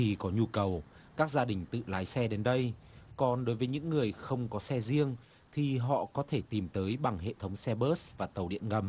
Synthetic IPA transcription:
t̪ʰi˨˩kɔ˨˦ɲu˧kə˨˩w | kaː˦˥k̚zaː˧ɗï˨˩ŋ̟t̪ɨ̰˧˨laː˨˦jsɛ˧ɗe˨˦nɗə˧jkɔ˨˩nɗo˨˦jvəː˨˦jɲɨ̰˧˥ŋːɨ˨˩əjxə˧wŋ͡mkɔ˨˦sɛ˧zi˧əŋ | t̪ʰi˨˩ɦɔ̰˧˨kɔ˨˦t̪ʰe˧˩t̪i˨˩mt̪əː˨˦jɓa˨˩ŋɦḛ˧˨t̪ʰə˨˦wŋ͡msɛ˧ɓəː˦˥svaː˨˩t̪ə˨˩wɗḭ˧˨ənŋə˨˩m

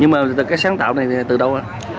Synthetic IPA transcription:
ɲɨ˧ŋmaː˨˩ɨ˨˩kaː˨˦jsaː˨˦ŋt̪a̰ː˧˨wna˨˩jt̪ɨ˨˩ɗə˧wʔaː˧˩

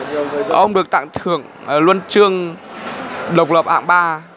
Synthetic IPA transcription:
ʔə˧wŋ͡mɗɨ˨˩ək̚t̪a̰˧˨ŋt̪ʰɨ˧˩əŋ˨˩ | lwə˧nt͡ɕɨ˧əŋ | ɗə˨˩wk͡p̚lə˨˩p̚ha̰ː˧˩˨ŋɓaː˧

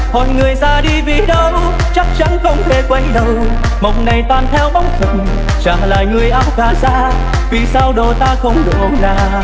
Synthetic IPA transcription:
mo˨˩tŋɨ˨˩əjzaː˧ɗi˧vi˨˩ɗə˧ | t͡ɕa˦˥k̚t͡ɕa˧˦nxə˧wŋ͡mt̪ʰe˧˩kwa˧jɗə˨˧˩w | mə˨˩wk͡p̚na˨˩jt̪waː˨˩nt̪ʰɛ˧wɓa˧˦wŋ͡mfʰə˨˩n | t͡ɕa̰˧˨˩ŋla̰ː˨˩jŋɨ˨˩əjʔaː˧w̚ɣaː˨˩zaː˧˥ | vi˨˩saː˧wɗo˨˩t̪aː˧xə˧wŋ͡mɗo˨zaː˧˩

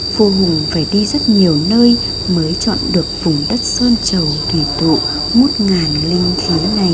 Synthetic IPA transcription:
vo˧ɦʊ˨˩ŋ͡mfaː˧˩jɗi˧zə˦˥t̚ɲi˨˩əwnəː˧j | məː˨˦jt͡ɕɔ̰˧˨nɗɨ˨˩ək̚fʊ˨˩ŋ͡mɗə˦˥t̚səː˧nt͡ɕə˨˩wt̪ʰi˧˩t̪ṵ˧˨ | mo˦˥t̚ŋaː˨˩nlï˧ŋ̟t̪ʰi˨˦na˨˩j

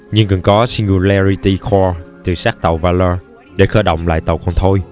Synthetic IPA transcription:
ɲɨ˧ŋkɨ˨˩nkɔ˨˦si˧ŋɡu˧la˧ɹi˧t̪i˧xʰɔ˧t̪ɨ˨˩saː˦˥k̚t̪ə˨˩wvaː˧ləː˧ | ɗe˧˩xəː˧˩ɗə̰˧˨wŋ͡mla̰ː˧˨jt̪ə̰˨˩wkɔ˧nt̪ʰo˧j

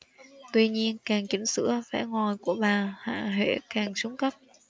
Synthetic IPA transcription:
t̪wi˧ɲi˧ənkaː˨˩ŋt͡ɕï˨˦ŋ̟sɨ̰˧˥əfa̰ː˧˩ŋɔ˨˩jku˧˩əɓaː˨˩ha̰ː˧˨ɦḛ˧˥kaː˨˩ŋsu˨˦ŋ͡mkə˦˥p̚

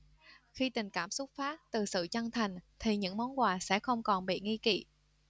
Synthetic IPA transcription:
xi˧t̪ï˨˩ŋ̟kaː˧˩msʊ˦˥k͡p̚faː˦˥t̚t̪ɨ˨˩sɨ̰˧˨t͡ɕə˧ŋt̪ʰa˨˩jŋ̟t̪ʰi˨˩ɲɨ̰˧˥ŋmɔ˨˦nkwaː˨˩sɛ̰˧˥xə˧wŋ͡mkɔ˨˩nɓḭ˧˨ŋi˧kḭ˧˨

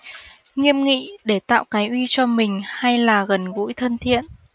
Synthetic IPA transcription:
ŋi˧əmŋḭ˧˨ɗe˧˩t̪a̰ː˧˨wkaː˨˦jʔwi˧t͡ɕɔ˧mï˨˩ŋ̟ha˧jlaː˨˩ɣə˨˩nɣṵ˧˥jt̪ʰə˧nt̪ʰḭ˧˨ənʔ

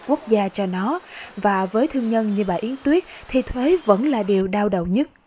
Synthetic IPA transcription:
ku˦˥ək̚zaː˧t͡ɕɔ˧nɔ˨˦vaː˨˩vəː˨˦jt̪ʰɨ˧əŋɲə˧nɲɨ˧˩ɓaː˧˨˩ʔi˨˦ənt̪wi˦˥ət̚t̪ʰi˨˩t̪ʰwe˨˦və̰˧˥nlaː˨˩ɗi˨˩əwɗaː˧wɗə˨wɲə˦˥t̚

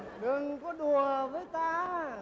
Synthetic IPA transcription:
ɗɨ˨˩ŋkɔ˨˦ɗu˨˩əvəː˨˦jt̪aː˧

